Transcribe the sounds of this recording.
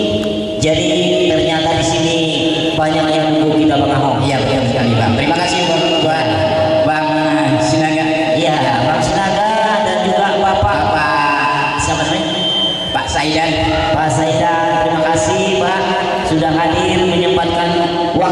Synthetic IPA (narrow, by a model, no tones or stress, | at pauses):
d͡ʒadi | t̪ərɲat̪adisini | baɲak̚ɲakduɡukit̪abaŋaɦɔpjamaaŋsəkalibaakt̪əɾimakasihbaŋ | baan | baŋ | sənaɡa | ija | baɦaŋsənaɡa | dand͡ʒuɡaʔbapapaʔ | skamatna | paʔsaidan | paʔsaidant̪əɾimakasihba | sudahɦadirməɲəbat̪̚kan | wa